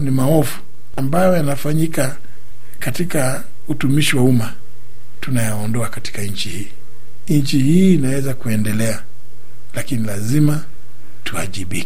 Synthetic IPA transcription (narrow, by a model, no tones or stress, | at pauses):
nimaɔfu̥ | ambajɔjanafaɲika | katika | utumiʃiwauma | tunajaɔndɔakati̥kaɲ̩t͡ʃihiː | ɲt͡ʃihiːnawɛzakuɛndɛlɛa | lakinilazima | tʰua̰ʄiɓikɛ